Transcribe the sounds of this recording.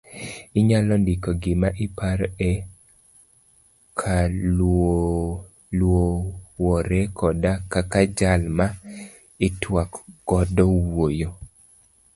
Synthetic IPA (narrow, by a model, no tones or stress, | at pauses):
ɪɲalɔndikɔɡɪmaʔɪpaɾɛ | kʰao | lwowɔɾɛkʰɔdakakad͡ʒalma | ɪtwakɡ̥ɔdɔwojo